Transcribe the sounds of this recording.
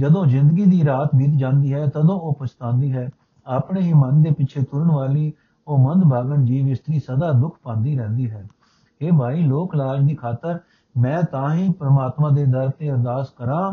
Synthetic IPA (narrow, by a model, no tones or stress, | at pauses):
d͡ʒəd̪õːzɪ̃nd̪əɡiːd̪iːɾaːt̪bɪt̪d͡ʒãːnd̪iːɦɛːt̪əd̪õːoːpəst̪ãːnd̪iːɦɛː | aːpɳeːiːmənd̪eːpɪt͡ʃʰeːt̪ʊɾəɳʋaːliː | oːmənd̪bʱaːɡənd͡ʒiːʋɪst̪ɾiːsəd̪aːd̪ʊkʰpãːnd̪iːɾɛ̃ːnd̪iːɦɛː | ɦeːbʱaːiːloːklaːd͡ʒd̪iːkʰaːt̪əɾ | mɛ̃ːt̪ãːɦĩːpɾəmaːt̪mãːd̪eːd̪əɾt̪eːəɾd̪aːskəɾãː